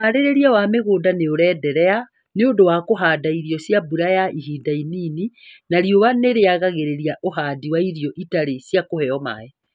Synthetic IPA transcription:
aɾeɾeɾiawameɣoːdaneoɾɛːdɛɾɛa | neondowakoɦaːdaiɾijɔsjabuɾajaiɦiːdainininaɾioβaneɾeaɣaɣeɾeɾiaʔoɦaːdiwaiɾijɔʔitaɾesjakohɛɔma̰ɛ

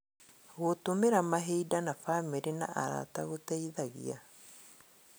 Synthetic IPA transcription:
ɣotomeɾamaɦeidanafamiɾena̰ʔaɾa̰taɣotɛiðaɣḭa

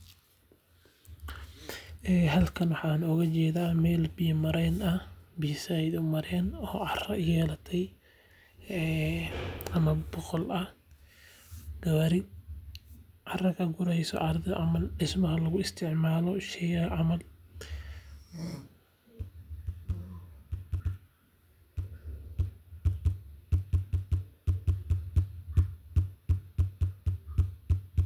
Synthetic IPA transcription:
ʔɛːɦɐlkʰɐnwɑħaːnɔɣɐt͡ʃɛːðaːmɛːlbijmɐɾɛjnɐbiːsajðʊmɐɾɛnɔːʕɑrɐjɛːlɐt̪ʰɛj | ɛ | ɐmɐbɔqɔlɐh | ɡ̥ɐβɐɾɪ | ʔɐrɐkʰɐɡʊɾɛjsɔ̰ʔɐɾd̪ɛʔamɐlɗɪsmɐhɐlɐɣʊɪst̪ʰɪʕmaːlɔʃɛjɐʕamɐl

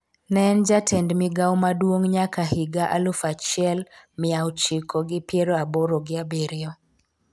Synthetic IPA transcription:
nɛnd͡ʒatʰɛndmɪɡawmadwoŋɲakahɪɡaʔalufat͡ʃɪɛlmɪawt͡ʃikʰoɡɪpjeɾoaboɾoɡɪabeɾɪɔ

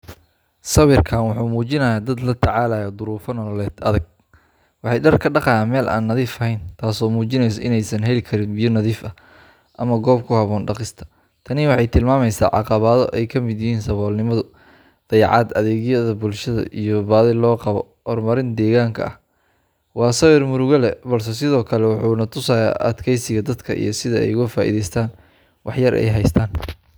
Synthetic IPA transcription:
sɐβɪrkʰaːnwɑħuːmuːt͡ʃɪnɐjaːd̪ɐd̪lɐt̪ʰɐʕɑːlaːjɔd̪ʊɾuːfɐnɔɐlɛːd̪ʔɐðɐɡ̚ | wɑħɑjɖɐrkʰɐɖɑqɑjaːnmɛːlʔa̰ːnːɐðiːfɐɦɛjnt̪ʰaːsɔːmuːt͡ʃɪnɛjs̬ɔʔɪnɛjsɐnɦɛlɪkʰɐɾɪnbɪjɔnɐðiːfɐ | ʔɐmɐɡɔːbkʰʊhɐβɔːnɖɑqɪst̪ʰɐ̥ | t̪ʰɐnɪwɑħɑjt̪ʰɪlmaːmɛjsa̰ːʕɑ̰qɑβaːðɔʔɛjkʰɐmɪd̪jɪɦiːnsɐβɔːlnɪmɐðʊ | d̪̥ɐjʕɑ̰ːd̪ɐðɛːɣjɐðɐbʊlʃɐðɐ̰ʔijɔbaːðɪlɔːqɑβɔ̰ | hɔrmɐɾɪnd̪ɛːɣaːŋkʰɐ̰ɐ̰h | wɑːsɐwɛrmʊɾʊɣɐlɛbɐls̬ɛs̬ɪðɔːkʰɐlɛwɑħuːnɐt̪ʰʊsaːja̰ːʔɐ̰d̪kʰɛjsɪɣɐd̪ɐd̪kʰɐʔḭjɞsɪðɐɛ̰jʊɣɐfaːʔḭːðɛjst̪ʰaːn | wɑħjɐɾʔɛ̰jɦɛjst̪ʰaːn

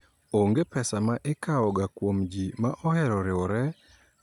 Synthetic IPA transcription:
oŋɡepɛsamaʔekaɔɡakwomd͡ʒimaʔɔhɛɾɔɾɪwɔɾɛ

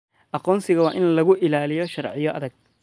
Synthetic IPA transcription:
ʔɑqɔːnsɪɣɐwɑːʔɪnlɐɣʊʔɪlaːlɪjɔʃɐrʕɪjɔʔɐðɐɡ̚

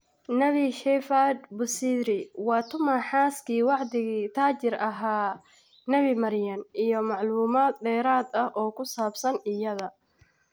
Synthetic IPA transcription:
nɐβiʃɛfad̪bʊsiːd̪ɾɪwɑːt̪ʰʊmɐħaːskʰiːwɑʕd̪ɪɣiːt̪ʰaːt͡ʃɪrɐɦaː | nɐβimɐɾjɐnʔijɞmɑʕluːmaːd̪̚ɖɛːɾaːd̪ɐhʔɔːkʰʊsaːbsɐnɪjɐðɐ

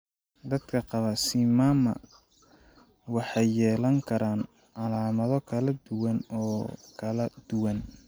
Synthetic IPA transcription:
d̪ɐd̪kʰɐqɑβɐsimaːmɐ̰ | wɑħɑjːɛːlɐŋkʰɐɾaːn | ʕɑlaːmɐðɔkʰɐlɐd̪ʊwɐnɔːkʰɐlɐd̪̥ʊwɐn

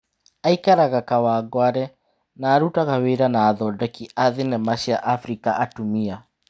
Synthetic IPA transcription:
aikaɾaɣakawaːɡwaɾɛ | naːɾutaɣaweɾanaːðɔdɔkiʔaðenɛmaɕiaʔafɾikaʔatumia

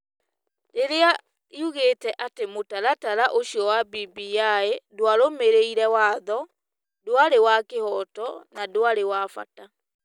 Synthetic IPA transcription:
deɾea | iuɣetɛʔatemotaɾataɾaʔoɕiɔwabibijaedwaɾomeɾeiɾɛwaːðɔ | doaɾewakehɔtɔnadwaɾewafa̰ta

